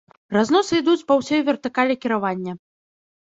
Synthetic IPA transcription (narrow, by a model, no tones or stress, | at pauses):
raznɔsɨid̪ut͡sʲpɐwsʲɔjvʲɛrt̪ɨkalʲɛkʲiɾavanʲːɐ